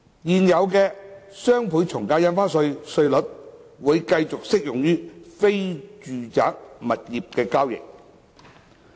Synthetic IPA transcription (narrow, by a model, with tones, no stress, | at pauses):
jiː˨njɐ˨˧wkɛː˧sœː˥ŋpʰuː˨˥jt͡ʃʰʊ˨˩ŋkaː˧wjɐ˥nfaː˥nsɵ˧ɥsɵ˧ɥlɵ˨˥t̚wuː˨˧jkɐ˧jt͡sʊ˨k̚sɪ˥k̚jʊ˨˩ŋjyː˥fe˥jt͡ʃyː˨t͡sa̰ː˨˥k̚mɐ˨t̚jiː˨p̚kɛː˧kaː˥wjɪ̰˨k̚